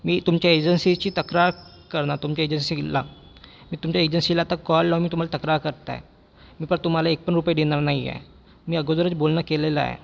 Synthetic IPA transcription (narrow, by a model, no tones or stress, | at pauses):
miːt̪umt͡ɕaed͡ʑənsit͡ɕiːt̪əkɾaɾ | kəɾnat̪umt͡ɕaed͡ʑənsila̰ | miːt̪umt͡ɕaed͡ʑənsilaːt̪akɔlːaʋmiːt̪um̤alat̪əkɾaɾkəɾt̪a̰ḛ | miːpəɳt̪um̤alaek̚pəɳɾupjid̪enaɾnaɦiɛ̰ | miːəɡod̪əɾət͡sbolnakelela̰ḛ